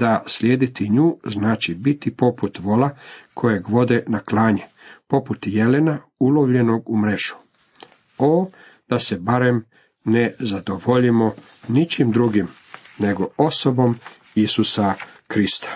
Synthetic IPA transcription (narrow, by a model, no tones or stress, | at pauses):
d̪aslʲjeːd̪it̪iɲuːznaːt͡ʃibit̪ipo̞put̪ʋo̞lakʰo̞jeɡʋo̞d̪e̞naklaːɲe | po̞put̪je̞lenaulo̞ʋʎe̞no̞ɡumɾeʒu̥ | o | d̪̥ase̞baɾem | ne̞zad̪oʋoʎimo̞ | nit͡ʃimd̪ɾuɡim | ne̞ɡo̞oso̞bo̞m | isusakɾist̪ḁ